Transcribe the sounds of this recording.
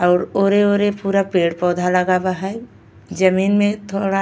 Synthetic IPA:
ɔːɾoːɾeoːɾepuːɾapeːɽpɔːd̪ʱaləɡabaɦɛ | d͡ʒəmiːnmẽt̪ʰoːɽa

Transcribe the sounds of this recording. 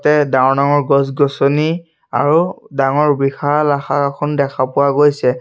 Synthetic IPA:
tɛdãnaŋɔɹɡɔsɡɔsɔni | a̰ɹudaŋɔɹbixalaxakakʰɔndɛkʰapʊwaɡojsɛ

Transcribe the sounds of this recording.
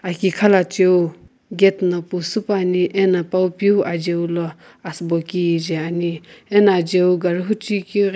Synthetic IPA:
akikʰalat͡ʃew | ɡet̪napusupaniʔenapawpjuʔad͡ʒewlɔ | asbɔkid͡ʒeanienad͡ʒewɡaɾuɦut͡ʃiki

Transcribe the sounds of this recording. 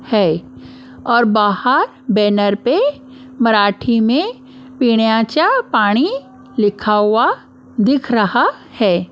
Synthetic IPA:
hɛː | ɔːɾbaːhəɾ | bɛːnəɾpe | mɐɾaːʈʰimẽ | piːɽ̃jat͡ʃapaːɽ̃i | lɪkʰawa | d̪ɪkʰɾɐha | hɛː

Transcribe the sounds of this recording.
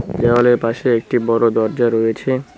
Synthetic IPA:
d͡ʑeoleɾpaʃeek̚ʈibɔɾod̪ɔɾd͡ʑaɾojet͡ɕʰe

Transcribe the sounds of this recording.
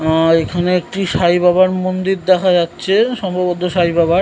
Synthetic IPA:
aekʰaneek̚ʈiʃajbaβaɾmond̪iɾd̪ɛkʰad͡ʑatːɕʰeʃɔmbʱabot̪oʃajbabaɾ

